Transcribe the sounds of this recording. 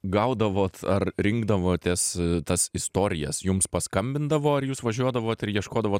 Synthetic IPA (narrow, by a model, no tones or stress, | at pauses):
ɡɐʊd̪ɐʋoːt̪ɐrɾʲɪŋɡd̪ɐʋoːt̪ʲɛst̪ɐsɪst̪oːɾʲɪjɛ̰sjʊmspɐskɐmʲbʲɪnd̪ɐʋoːɐɾjuːsʋɐʒʲuɔd̪ɐʋoːt̪ɪɾjiɛʃkoːd̪ɐʋoːt̪